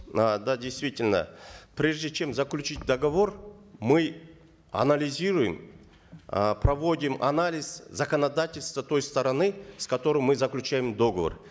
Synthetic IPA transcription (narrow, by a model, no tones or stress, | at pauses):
ad̪adʲejst̪vʲitʲɪlʲnə̰pɾʲe̞ʐdʲɪt͡ɕe̞mzəklʲʉt͡ɕit̚ʲd̪əɡɐvo̞rmɨ | ɐ̰nɐlʲɪzʲiɾʊjɪm | pɾɐvo̞dʲɪmʔɐ̰nalʲɪzzɐkənɐd̪atʲɪlʲst̪vət̪o̞jst̪əɾɐnɨskɐt̪o̞ɾɨjmɨzəklʲʉt͡ɕæjɪmd̪o̞ɡəvə̰r